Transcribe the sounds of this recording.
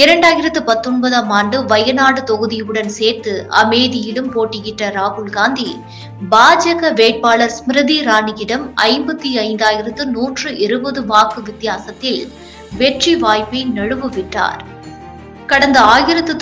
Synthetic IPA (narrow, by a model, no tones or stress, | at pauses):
ɪɾɐɳɖaːjɪɾɐt̪ːɯpɐt̪ːɔnbɐðaːmaːɳɖɯʋɐjɐnaːɽɯt̪ɔɣɯðɪɯɽɐnseːɾt̪ɯʔɐ̰meːðɪjɪlɯmpoːʈːɪjɪʈrɐɾaːhʊɭɡaːnd̪i | baːd͡ʒɐɣɐʋeːʈ̚paːɭɐɾsmɾɯðiɾaːɳɪɣɪɽɐmɐ̰ɪmbɐt̪ːiɐɪnd̪aːjɪɾɐt̪ːɯnuːʈrɯʔɪɾɯbɐðɯʋaːkɯʋɪt̪ːɪjaːsɐt̪ːɪl | ʋɛʈriʋaːjpɐɪnɐɻɯʋɯʋɪʈːa̰ːɾ | kɐɽɐnd̪ɐaːjɪɾɐt̪ːɯ